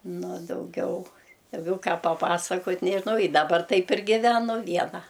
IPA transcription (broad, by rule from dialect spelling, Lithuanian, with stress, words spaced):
ˈnʊ oː dɐʊˈɡʲɛʊ dɐʊˈɡʲɛʊ ˈkɑː pɐˈpɑːsɐkoːtʲ nʲɛʒʲɪˈnɐʊ ɪ dɐˈbɐr ˈtɐɪp ɪr ɡʲɪˈʋʲæːnʊ ˈʋʲiɛnɐ